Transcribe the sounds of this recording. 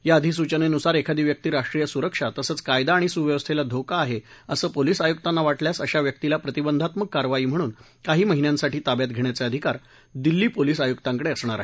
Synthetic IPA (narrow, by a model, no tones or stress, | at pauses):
jaəd̪ʱis̬ut͡ɕənenusaɾekʰad̪iːʋjək̚t̪iːɾaʂʈɾijəsuɾəkʂat̪əsəːt͡skajd̪aːɽ̃isuʋjəʋəst̪ʰelad̪ʱokaːɦeəsəːpolisajuk̚t̪anːaʋaʈljasəɕaʋjək̚t̪ilapɾət̪ibənd̪ʱat̪məkːaɾʋaiːm̤əɽ̃uːn | kaɦiːməɦinjãnsaʈiːt̪abjat̪̚ɡʱeɳjat͡seəd̪ʱikaɾ | d̪ilːiːpoliːsajukt̪ãŋkəɽeəsɳ̃aɾa̰ɦe